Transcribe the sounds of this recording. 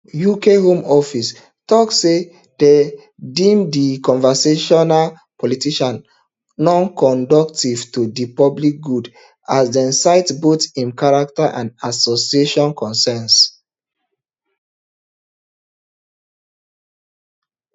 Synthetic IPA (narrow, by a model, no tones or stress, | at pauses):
jukeɦõmɔfis | tɔkːe | d̥e | dĩmdikɔ̃nvɛseʃɔnal | pʰɔlitiʃãnː | ɔ̃nkɔ̃ndɔktiv̥tudipɔblik̚ɡud | asdɛ̃nsaɪtbotĩnkaɹak̚taʔãnasosieʃɔ̃nkʰɔ̃nsɛns